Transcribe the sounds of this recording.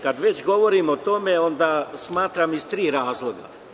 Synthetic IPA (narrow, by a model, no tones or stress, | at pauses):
kad̪ʋet͡ɕɡo̞ʋo̞ɾimot̪o̞meo̞nd̪aːsmaːt̪ɾamist̪ɾiːɾaːzlˠo̞ɡa̰